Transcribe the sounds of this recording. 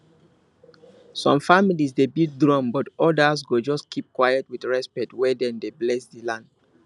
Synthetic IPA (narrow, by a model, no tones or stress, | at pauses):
sɔ̃mfamilisdebiɡ̚dɹɔ̃mbɔtɔdasɡod͡ʒɔskʰip̚kwajətwidɹɛspɛtwɛdɛ̃ndeblɛsdilãnd